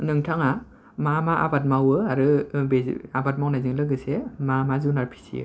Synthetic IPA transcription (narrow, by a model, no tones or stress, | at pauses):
nɯŋtʰaŋa | mamaʔa̰bat̚mawɯaɾɯbeabat̚mawnajzɯŋlɯɡɯsemamazunaɾpʰi̥sḭɯ̰